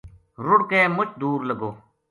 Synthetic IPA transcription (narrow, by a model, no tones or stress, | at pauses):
ɾʊɽkeːmʊt͡ʃd̪uːɾləɡoː